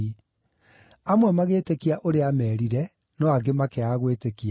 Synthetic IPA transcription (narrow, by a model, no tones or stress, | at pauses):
amwɛmaɣeːtekiaʔoɾeamɛːɾiɾɛ | nɔaɡemakeaɣweːtekia